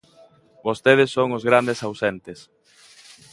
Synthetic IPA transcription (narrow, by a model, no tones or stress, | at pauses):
bost̪eð̞ɪsːoŋʊzɣɾand̪esawsent̪ɪs